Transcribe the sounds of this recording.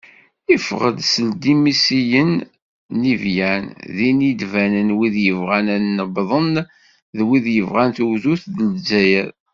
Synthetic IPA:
ifʁəd̪səld̪imisijənː | ivjænðinid̪vænənwiðjəvʁænænːəbðˤən | ðwiðjəvʁænθwðuθðəlzæjæɾ

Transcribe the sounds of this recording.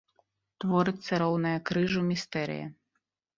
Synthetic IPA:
t̪vɔɾɨt̪sːɐɾɔwnɐjɐkɾɨʐumʲist̪ɛɾɨ̰jɐ̰

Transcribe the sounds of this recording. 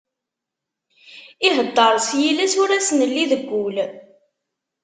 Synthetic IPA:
iɦəd̪ˤːɑɾˤsjilæsʊɾæsənəlːiðəɡʷːul

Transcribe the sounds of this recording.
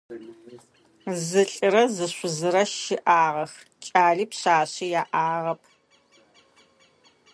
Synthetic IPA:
zɨɬʼɨɾɐzɨɕʷʊzɨɾɐʃɪʔaːʁɐx | t͡ʃʼaːɮiːpɕaːɕijaːʔaːʁɐpʰ

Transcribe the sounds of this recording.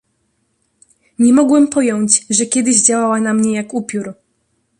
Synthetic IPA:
ɲɛmɔɡwɛmpɔjɔɲt͡ɕʐɛkʲɛd̪ɘʑd͡ʑawawanamɲɛjakupʲjuɾ

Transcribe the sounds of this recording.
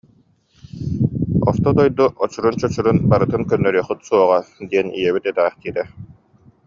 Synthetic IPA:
ɔ̰ɾt̪ɔd̪ɔjd̪uʔɔt͡ɕuɾunt͡ɕɔt͡ɕuɾunbaɾɯt̪ɯnkœnːœɾyːχɯt̪suɔʁad̪iɛnḭjɛβit̪ɛt̪æːχt̪iːɾɛ

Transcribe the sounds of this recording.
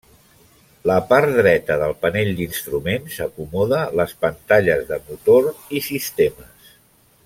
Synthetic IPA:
ləpaɾt̪d̪ɾɛt̪əðəlˠpəneʎd̪inst̪ɾumensəkumɔðələspənt̪aʎəzðəmut̪orisist̪eməs

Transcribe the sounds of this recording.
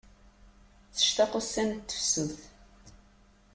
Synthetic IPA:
θə̥ʃt̪æqəsːænt̪ːə̥fsəmθ

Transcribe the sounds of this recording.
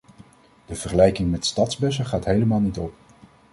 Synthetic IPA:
d̥əv̥əɹχəlɛjkɪŋmɛtstɑtzbɛs̬əχaːtɦejləmaːlˠnitɔp̚

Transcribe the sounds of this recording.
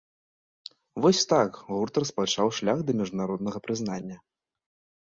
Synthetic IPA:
vɔsʲt̪akɣurt̪rɐspat͡ʂawʂlʲaɣd̪ɐmʲiʐd̪unaɾɔd̪nɐɣɐpɾɨznanʲːɐ

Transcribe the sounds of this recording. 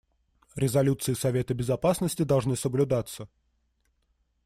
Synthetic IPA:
ɾʲɪzɐlʲut̪sɨɪsɐvʲe̞t̪əbʲɪzɐpasnəsʲtʲɪd̪ɐlˠʐnɨsəblʲʊd̪at̪sːə

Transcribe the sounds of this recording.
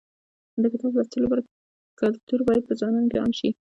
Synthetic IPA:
d̪əkat̪uɾlat͡səlobaɾa | kalt̪uɾbɑjad̪̚pəzɑnɑnokeɑ̰nʃi

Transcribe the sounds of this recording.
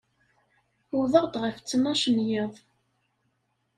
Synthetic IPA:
ʊðˤəʁd̪ʁəft͡sːənɑʃənjeðˤ

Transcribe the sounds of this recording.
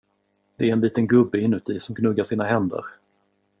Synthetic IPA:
d̪̥ɛæɾɛnliːt̪ənɡɵbːəɪnːʉ̟t̪ɪsɔmɡnɵɡːaʂiːnaɦɛnd̪ə̰ɾ

